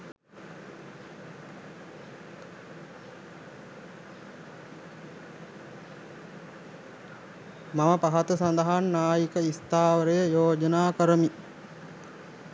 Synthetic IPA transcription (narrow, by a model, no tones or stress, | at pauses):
maməpaɦat̪əsand̪əɦanːaːjikəist̪aːʋəɾəjəjoːd͡ʒənaːkəɾəmi